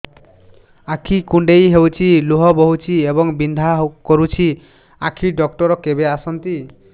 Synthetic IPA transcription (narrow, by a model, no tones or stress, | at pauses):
akʰikuɳɖejɦewt͡ʃʰiluɦɔbɔɦut͡ʃʰiebɔŋbind̪ʱakɔɾut͡ʃʰi | akʰiɖɔk̚ʈɔɾɔkebeasɔnt̪i